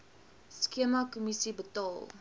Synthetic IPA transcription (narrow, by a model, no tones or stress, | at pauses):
skiəmakɔmisibətɔlˠ